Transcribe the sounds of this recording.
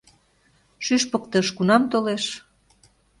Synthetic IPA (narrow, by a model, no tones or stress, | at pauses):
ʃyʃpək̚t̪ə̆ʃkunɑmt̪oleʃ